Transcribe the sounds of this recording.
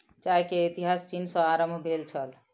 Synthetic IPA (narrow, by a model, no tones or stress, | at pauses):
t͡ʃaɦkeit̪iɦast͡ʃinsʌ̃aɾəmbʱbʱelt͡ʃʰəl